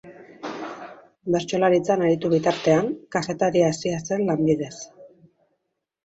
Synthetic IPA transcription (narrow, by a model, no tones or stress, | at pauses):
be̞ɾt͡ʃo̞laɾit͡sanaɾit̪uβ̞it̪aɾt̪e̞aŋkafe̞t̪aɾiasiase̞llːambiðe̞s